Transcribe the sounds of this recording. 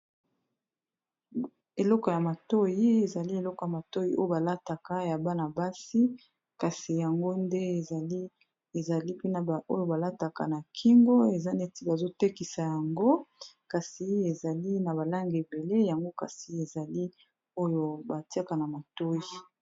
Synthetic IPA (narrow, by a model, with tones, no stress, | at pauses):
e˨lɔ˦kɔ˨ja˨ma˨to˦ji˦e˨za˨li˦e˨lɔ˦kɔ˨ja˨ma˨to˦ji˦ʔo˦jo˦ba˨la˦ta˨ka˦ja˨ba˦na˨ba˦si˦ | ka˨si˨ja˨ŋɡo˦nde˦˨˦ | e˨za˨li˦pe˦na˨o˦jo˨ba˨la˦ta˨ka̰˨na˨kʰi˦ŋɡo˦e˨za˦ne˦˨ti˦ba˨zo˦te˦ki˨sa˨ja˨ŋɡo˦ | ka˨si˨˦e˨za˨li˦na˨ba˨la˦ŋɡe˨be˨le˦ja˨ŋɡo˦ka̰˨si˨e˨za˨li˦ | o˦jo˦ba˨ti˦a˦ka˨na˨ma˨to˦ji˨